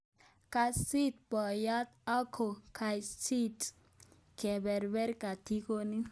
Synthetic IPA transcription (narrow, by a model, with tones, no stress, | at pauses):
ka˧si˦t̪̚pɔ˨ja˦t̪a˦kʰo˨kʰa˨jsi˦t | kɛ˨bɛ˨ɾbɛ˦ɾka˨t̪i˦ko˦ni˦